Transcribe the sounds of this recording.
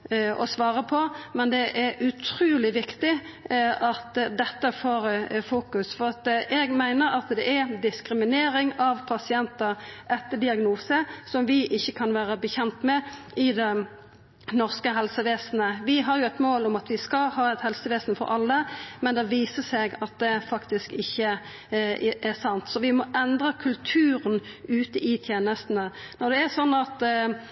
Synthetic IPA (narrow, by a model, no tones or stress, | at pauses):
ʔɔ̰sʋɑːʁəpʰɔmɛnd̪ɛʔæɾʔʉt̪ʰɾʉːlɪʋɪkt̪ɪ | ɑt̪d̪ɛt̪ːəfoːɾəfuːkʉsfɔʁɑt̪ʔɛɡmæɪnəɾɑt̪d̪ɛʔæɾd̪ɪskɾɪmɪneːɾɪŋɑʋpʰɑsɪɛnt̪əʁʔɛt̪ːəd̪ɪɑɡnuːsəsɔmʋɪʔɪçːəkʰɑnʋæːʁəbəçɛnt̪mɛɪd̪ɛ | nɔʁskəɦɛlsəʋeːsn̩əʋɪɦɑʁjʊɛt̪moːlʊmɑt̪ʋɪskɑhɑːɛt̪hɛlsəʋeːsn̩fɔ̰ɾɑlːəmɛnd̪ɛʋiːsəsɛɡɑt̪̚d̪ɛfɑkt̪ɪskɪçːə | ɪʔæʁsɑnt̪sɔʋɪmɔʔɛnd̪ʁəkʰʉlt̪ʰʉːɾənʉːt̪əʔɪt̪ʰjeːnəst̪n̩ənɔʁd̪ɛæsɔnːɑt̪